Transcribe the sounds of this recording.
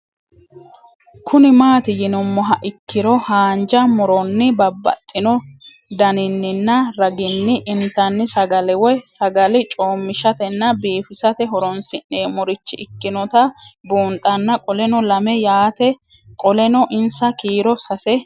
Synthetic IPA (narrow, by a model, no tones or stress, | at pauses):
kʰʊnɪmaːt̪ɪjɪnʊmːɔɦɐʔɪkːɪɾɔhaːnd͡ʒɐmʊɾɔnːɪbɐbːɐ̰t̪ʼːɪnɔ | d̪ɐnɪnːɪnːɐɾɐɡɪnːɪʔɪnt̪ːɐnːɪsɐɡɐlɛwɔjsɐɡɐlɪt͡ʃʼo̞ːmːɪʃɐt̪ɛnːɐbiːfɪsɐt̪ɛɦɔɾɔnsɪnːeːmɔɾɪt͡ʃːɪʔɪkːɪnɔt̪ɐbuːnt̪ʼɐnːɐkʼɔlɛnɔlɐmɛjaːt̪ɛ | kʼɔlɛnɔʔɪnsɐkiːɾɔsɐsɛ